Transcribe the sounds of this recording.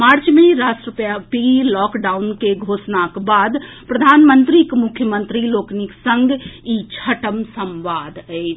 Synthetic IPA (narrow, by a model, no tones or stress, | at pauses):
maɾt͡ʃmeɾasʈɾəpjapilɔkɖaunkeɡʱosnakbad̪pɾəd̪ʱaːnmənt̪ɾikmukʰjəmənt̪ɾilokniksə̃ŋɡit͡ʃʰəʈəmsəmʋad̪əɪt͡ʃʰ